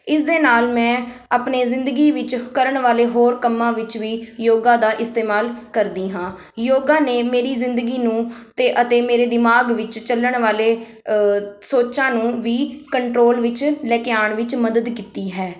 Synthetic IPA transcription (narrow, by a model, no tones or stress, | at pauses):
ɪsd̪eːnaːlmɛ̃ːaːpneːzɪ̃nd̪əɡiːʋɪt͡ʃkəɾəɳʋaːleːɦoːɾkəmːãːʋɪt͡ʃʋiːjoːɡãːd̪aːʔɪst̪eːmaːlkəɾd̪iːɦãː | joːɡãːneːmeːɾiːzɪ̃nd̪əɡiːnũːt̪eːʔət̪eːmeːɾeːd̪ɪmaːɡʋɪt͡ʃt͡ʃələɳʋaːleː | soːt͡ʃãːnũːʋiːkəɳʈɾoːlʋɪt͡ʃlɛːkɪjaːɳʋɪt͡ʃməd̪əd̪kiːt̪iːɦɛː